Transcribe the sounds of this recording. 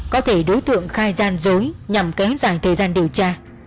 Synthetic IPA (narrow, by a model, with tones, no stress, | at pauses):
kɔ˨˦t̪ʰe˧˩ɗo˨˦jt̪ɨ̰˧˨əŋxaː˧jzaː˧nzo˨˦jɲa˨˩mkɛ˨˦ht̚zaː˧˩ŋt̪ʰəː˨˩jzaː˧nɗi˨˩əwt͡ɕaː˧